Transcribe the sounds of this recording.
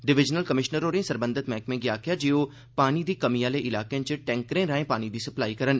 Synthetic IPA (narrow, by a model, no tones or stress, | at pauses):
ɖɪʋɪd͡ʒnəlkəmɪʃnəɾoːɾẽːsəɾbə̃nd̪ʱɪt̪mɛ̃ːkmẽːɡɪjaːkʰjaːd͡ʒeːoː | paːnid̪iːkəmijãːleːʔɪlaːkẽt͡ʃəʈɛ̃ːŋkɾẽɾəɦẽːpaːnid̪iːsəplaːikəɾən